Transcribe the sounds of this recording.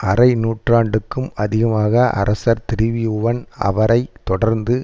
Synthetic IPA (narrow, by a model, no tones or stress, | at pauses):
ɐɾɐɪnuːʈraːɳɖɯkːɯmɐðɪɣɐmaːɣɐʔɐ̰ɾɐsɐɾt̪ɪɾɪʋiʊʋɐnɐ̰ʋɐɾɐɪt̪ːɔɽɐɾnd̪ɯ